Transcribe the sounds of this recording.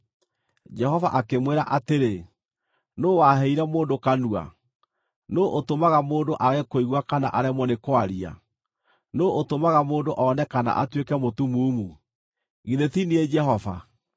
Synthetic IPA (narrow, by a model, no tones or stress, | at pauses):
d͡ʒɛhɔva̰ʔakemweɾaʔateɾe | nowaɦɛiɾɛmoːndokanua̰ | noʔotomaɣamoːndoʔaɣekoiɣwakana̰ʔaɾɛmɔnekwaɾia̰ | noʔotomaɣamoːndoʔɔnɛkana̰ʔa̰twekɛmotumuːmu | ɣiðetinied͡ʒɛɦɔva̰